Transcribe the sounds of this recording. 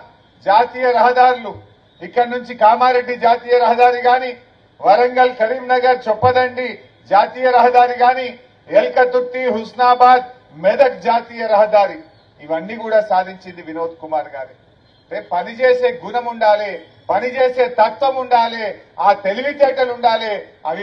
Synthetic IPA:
d͡ʒaːt̪iːjɐɾɐɦɐd̪aːɾulu | ikːɐɽnuɲt͡ʃikaːmaːɾe̞ɖːid͡ʒaːt̪iːjɐɾɐɦɐd̪aːɾiɡaːni | ʋɐɾɐŋɡɐlkɐɾiːmnɐɡɐɾt͡ʃɛpːɐd̪ɐɳɖi | d͡ʒaːt̪iːjɐɾɐɦɐd̪aːɾiɡaːni | elkɐt̪ukt̪ːiɦusnaːbaːd̪ | mɛd̪ɐkd͡ʒaːt̪iːjɐɾɐɦɐd̪aːɾi | iʋɐnːiːkuːɽaːsaːd̪ʱiɲt͡ʃind̪iʋinoːd̪̚kumaːɾɡaːɾi | epɐnit͡ʃeːse̞ːɡunɐmuɳɖaːleː | pɐnit͡ʃeːse̞ːt̪ɐɾt̪ʋɐmuɳɖaːleː | aːt̪eliʋit̪eːʈɐluɳɖaːleːɐ̰ʋi

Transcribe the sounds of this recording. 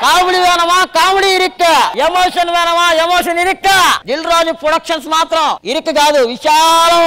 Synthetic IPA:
kaːmiɽiʋɛːnɐmaːkaːmɽiːɾikːɐemoːʂɐnʋɛːnɐmaːemoːʂɐniɾikːad͡ʒ̪ilɾoːd͡ʒupɾoɽɐkʂɐnsmaːt̪ɾɐmiɾikːɡaːd̪uʋiʃaːlɐ

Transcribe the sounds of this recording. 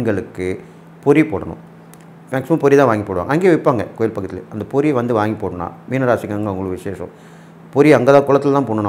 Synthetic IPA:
ɡɐɭɯkːɯ | pɔɾipoːɽɐnʊ̃ | mɐksɪmãːpɔɾit̪ãːʋaːŋɡipːoːɽɯʋa̰ːŋɐɐŋɡeːʋɐɪpːaːŋɡɐkoːjɪlpɐkːɐt̪ːɪlɛɐnd̪ɐpɔɾiʋɐnd̪ɯʋaːŋɡipːoːɽɐnã̰ːmiːnɐɾaːsɪkːɐŋɡɐʊŋɡɐɭɯʋɪʂeːsɐ̰̃ | pɔɾiɐŋɡɐðãːkʊɭɐt̪ːɪlt̪ãːpoːɳːɐna

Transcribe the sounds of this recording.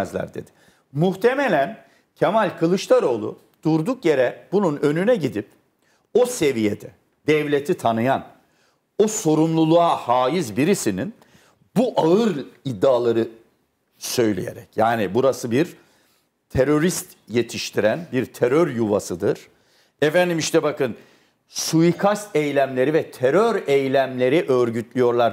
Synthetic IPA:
zlʲæ̰ɾd̪e̞̰d̪ɪ̥ | muht̪ʰe̞melʲæn | cʰemalʲkʰɯlˠɯʃlˠaɾo̞lˠṵ | d̪̥uɾd̪ukjeɾɛbununø̞nynɛɟid̪ip̚ | o̞se̞vijed̪ɛ | d̪ɛvlʲe̞t̪ʰit̪ʰanɯjan | oso̞ɾumlˠulˠuahaːjizbiɾisinin | buʔaɯɾid̪ːaːlˠaɾɯ | sø̞jlʲḛjḛɾɛ̰cjaːnibuɾasɯbiɾ | t̪ʰeɾo̞ɾist̪ | je̞t̪ʰiʃt̪ʰiɾænbiɾt̪ʰeɾøɾjuvasɯd̪ɯɾ̥ | efænd̪imiʃt̪ʰɛbakɯn | sujikʰast̪ejlʲæmlʲe̞ɾivɛt̪ʰeɾøɾejlʲæmlʲe̞ɾiʔøɾɟyt̪lʲyjo̞ɾlˠaɾ

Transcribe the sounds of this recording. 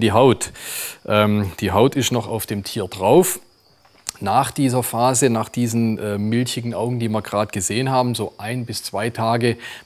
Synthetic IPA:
diːɦaʊtʔɛːmd̥iːɦaʊtɪstnɔχa̰ʊfd̥eːmtʰiːɐdʁaʊf | naːχd̥iːzɐfaːzənaːχd̥iːzn̩ʔɛːmɪlçɪɡŋ̩ʔaʊɡŋ̩diːviːɐɡʁaːtɡ̥əzeːənɦaːbm̩zoːʔaɪnbɪst͡sv̥aɪtʰaːɡə

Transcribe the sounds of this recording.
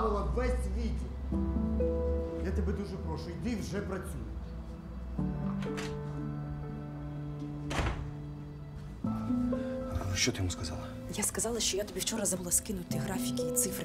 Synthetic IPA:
ʋɪlˠɐʋɛsʲʋʲit̪ʲɪ | jat̪ɐbɛd̪uʒɛpɾɔʃʊit̪ɪwʒɛpɾɐt͡sʲujʊ | ʃt͡ʃɔt̪ɪjɔmuskɐzɑlˠɐ | jaskɐzɑlˠɐʃt͡ʃɔjat̪ɔbʲiwt͡ʃɔɾɐzɐbulˠaskɪnʊt̪ɪɦɾɑfʲikʲiːt̪sɪfɾ

